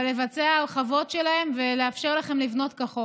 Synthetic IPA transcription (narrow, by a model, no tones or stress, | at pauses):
le̞vat͡seaχavo̞tʃelahe̞mve̞le̞afʃeʁlaχe̞mlivno̞tkaχo